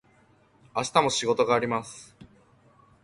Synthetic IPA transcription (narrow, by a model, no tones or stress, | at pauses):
aɕi̥t̪amo̞ɕiɡo̞t̪o̞ɡaːɾʲimasɨ̥